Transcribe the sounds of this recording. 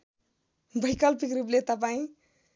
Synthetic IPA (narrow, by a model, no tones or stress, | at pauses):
bʌjkʌlpikɾuplet̪ʌp̬aĩ